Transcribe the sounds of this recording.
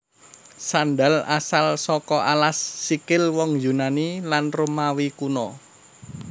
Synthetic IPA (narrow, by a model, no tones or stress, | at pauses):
sanɖa̤la̰salsɔkɔʔalasːikɪlwɔŋjunanilanrumawikunɔ